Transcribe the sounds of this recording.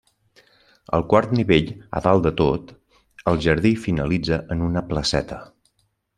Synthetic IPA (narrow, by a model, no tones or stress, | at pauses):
ə̰lˠkwaɾt̪niβeʎə̰ðalˠd̪ət̪ot̪ | əlˠʒəɾðifinəlid͡zəʔənunəpləsɛt̪ə